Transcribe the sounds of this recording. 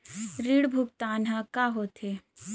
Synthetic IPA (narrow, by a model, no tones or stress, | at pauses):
ɾiːɽbʱʊk̚t̪aːnɦakaɦot̪e